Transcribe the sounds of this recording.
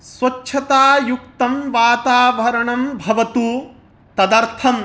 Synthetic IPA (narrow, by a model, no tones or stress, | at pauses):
sʋɐtːʃʰɐt̪aːjuk̚t̪ɐmʋaːt̪aːʋɐɾɐɳɐmbʱɐʋɐt̪u | t̪ɐd̪ɐɾt̪ʰɐm